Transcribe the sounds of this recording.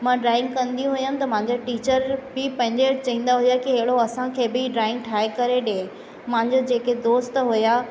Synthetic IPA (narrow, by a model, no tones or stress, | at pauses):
mãɖɾaːɪ̃ŋɡkɐ̃nd̪ijũɦujanɪ̃̆t̪ɐmãɦɲd͡ʑoʈiːt͡ɕəɾbɪpɐ̃ɦɪ̃ɲd͡ʑet͡ɕɐɦĩːnd̪aɦʊjakiɦɐɦɪɽoɐsãkʰeːbɪɖɾaːɪ̃ŋɡ̚ʈʰaːekɐɾeɗẽ | mãɦɪ̃ɲd͡ʑod͡ʑeːked̪oːst̪ɦuja